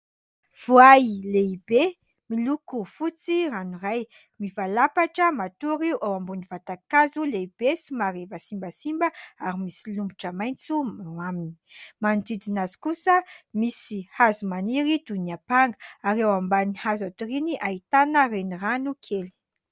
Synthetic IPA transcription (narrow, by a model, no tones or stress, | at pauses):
v̥uajleibe | milukufut͡siranuraj | mivalapaʈ͡ʂəmat̪uɾiʔawambunivat̪akazuleib̥esumaɾevasimbəsimbəaɾimisilumbuʈ͡ʂəmajnt͡sumamini̥mand̪id̪inazi̥kusəmisihazumaniɾid̪̥uniapaŋɡəaɾewambanihazat̪iriniʔait̪anəreniranukʰeli̥